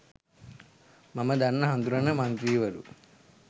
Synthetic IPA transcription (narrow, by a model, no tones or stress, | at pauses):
mɐmɐd̪ɐnːɐɦɐnd̪uɾɐnɐmɐnt̪ɾiːʋɐɾṵ